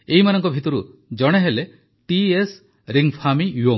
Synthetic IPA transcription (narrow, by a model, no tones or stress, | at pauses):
eɦimanɔŋkɔbʱit̪ɔɾu | d͡ʒɔɽ̃eɦele | ʈies | ɾiŋpʰamijuoŋ